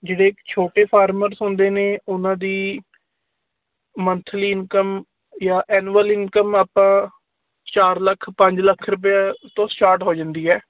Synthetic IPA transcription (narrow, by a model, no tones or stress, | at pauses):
d͡ʒeːɽeːɪkt͡ʃʰoːʈeːpʰaːɾməɾsõːnd̪eːneːʊnãːd̪iː | mənt̪ʰəliːɪnkəm | jaːʔɛːnʋəlɪnkəmaːpãː | t͡ʃaːɾləkʰpə̃ɲd͡ʒləkʰɾʊp̬jaːt̪õːsʈaːɾʈɦoːd͡ʒãːnd̪iːɦɛː